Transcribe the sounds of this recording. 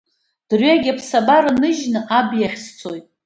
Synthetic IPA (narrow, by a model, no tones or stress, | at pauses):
d̥rɥaɡʲapʰsabaɾanɨʒnɨʔabjaχʲst͡sʰojtʼ